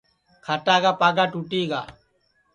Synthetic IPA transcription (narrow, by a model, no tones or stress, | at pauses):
kʰaʈaːɡaːpaːɡaːʈuːʈiːɡa̰ː